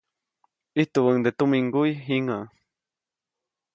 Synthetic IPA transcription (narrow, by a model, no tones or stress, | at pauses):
iht̪uwəŋd̪et̪umiŋɡujɦiŋa